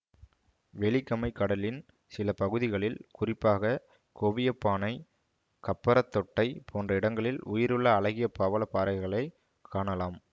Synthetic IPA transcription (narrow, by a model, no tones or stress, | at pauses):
ʋɛɭɪkːɐmɐɪkːɐɽɐlɪn | sɪlɐpɐɣɯðɪɣɐɭɪlkʊrɪpːaːɣɐ | koʋɪjɐpːaːnɐɪ | kɐpːɐɾɐt̪ːɔʈːɐɪpʰoːndrɐɪɽɐŋɡɐɭɪlʊjɪɾɯɭːɐːɭɐɣɪjɐpaːʋɐlɐpaːɾɐɪɣɐɭɐɪ | kʰːaːɳɐlaːm